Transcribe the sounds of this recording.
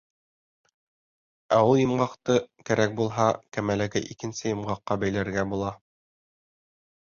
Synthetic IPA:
æulˠjɤ̆mɢɑqt̪ɤkæɾæk̚bulˠɦɑkæmælækɘʔikɘ̆nsɘjɤ̆mɢɑqːɑbæjlæɾɡæbulˠɑ

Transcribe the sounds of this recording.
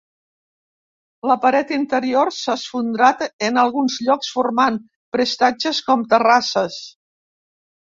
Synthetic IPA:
ləpəɾɛt̪int̪əɾiorsasfund̪ɾat̪ənəlˠɣunzʎɔksfurman | pɾest̪ad͡ʒəskɔmt̪ərasəs

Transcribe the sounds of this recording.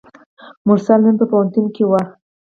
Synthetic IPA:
mʊɾsalnənpəpawant̪unkewaxt̪

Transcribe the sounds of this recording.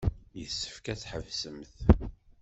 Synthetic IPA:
jəsːə̥fkæt͡sħəvsəmθ

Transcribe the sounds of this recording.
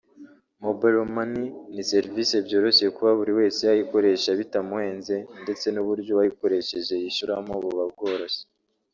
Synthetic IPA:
mobeɾomaninise̞ɾvise̞bjo̞ːɾo̞sejekuβaβuɾiwe̞ːseajiko̞ɾe̞ʃaβitamuwe̞ːnze̞nde̞t͡se̞nuβuɾɟoβahiko̞ɾe̞ʃe̞ʒe̞jiʃuɾamoβuβabɡo̞ːɾo̞se̥

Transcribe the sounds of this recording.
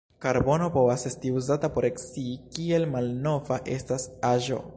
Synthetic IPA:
kaɾbo̞no̞po̞vase̞stiuzatapo̞ɾe̞ksiːkie̞lmalno̞vaʔe̞stasaʒo̞̰

